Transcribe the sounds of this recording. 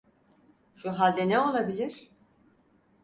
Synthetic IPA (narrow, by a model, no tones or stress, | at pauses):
ʃuɦalʲd̪enɛo̞lˠabilʲiɾ̥